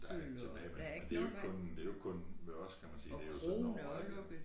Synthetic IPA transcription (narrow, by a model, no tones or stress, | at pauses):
d̥ɑ̈eɡət͡sʰe̝b̥ɛːɪm̥eend̥e̝jkkʰɔ̽nd̥e̝jo̝kʰɔ̽nʋeɒ̽skʰæmænsḭːd̥e̝joso